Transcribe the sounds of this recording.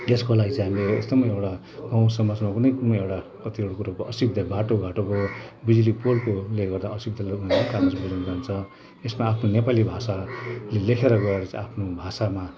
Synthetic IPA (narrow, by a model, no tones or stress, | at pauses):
eskolaɡit͡sʌ̃j̃ɦamilḛːsd̪ʌmʌjewʈa | ɡʌ̃w̃sʌmʌd͡zmakunʌjkunmʌewʈakʌt̪ioɽokuɾokʌsib̚d̪ʱʌbaʈoɡʱaʈokobid͡zlipolkoleɡʌrd̪aʌsib̚d̪ʱʌleunaokanʌsbilʌnd͡zant͡sʰʌ | esmaːpʰnonepalibʱasalelekʰeɾʌɡʌeɾʌt͡sãapʰnobʱasama